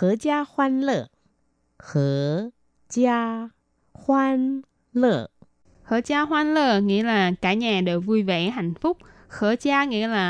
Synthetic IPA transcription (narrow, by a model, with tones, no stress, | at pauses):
xɨ˧˩ət͡ɕaː˧xwaː˧nlə̰˧˩ | xɨ˧˩˦ə | t͡ɕaː˧ | xwaː˧n | lə̰˧˩ | xə̰ː˧˩t͡ɕaː˧xwaː˧nləː˨˩ŋḭ˧˥əlaː˨˩kaː˧˩ɲaː˨˩ɗe˨˩wvu˧jvɛ̰˧˥ɦa˧˨jŋ̟fʊ˦˥k͡p̚ | xəː˧˩˦t͡ɕaː˧ŋḭ˧˥laː˨˩